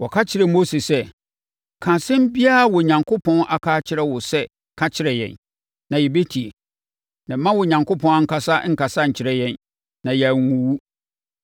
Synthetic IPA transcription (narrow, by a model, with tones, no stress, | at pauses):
wʔɔ˨kʰa˦t͡ɕʰɪ˨ɾɛ˨mo˦se˨sɛ˦ | kʰã˨sɪ̃˦m˦bi˦a˦˨wɔ˨ɲã˨ŋkʰʊ˦pʰɔ̃˦nʔa˨kʰaː˦t͡ɕʰɪ˦ɾɛ˦wʊ˨sɛ˦ | kʰa˦t͡ɕʰɪ˦ɾɛ˨jɛ̰̃˨n | nã˨jɛ˨be˦tʰi˨e˨ | nã˨˦mã˦wʊ˨ɲã˨ŋko˦pʰɔ̃˦na˦ŋ̩˦kʰa˨sa˦ŋ̩˨ka˨sa˦ɲ̩˨t͡ɕʰɪ˦ɾɛ˦jɛ̃˦˨n | nã˨jɛ˨ŋ˦wũ˨wu˦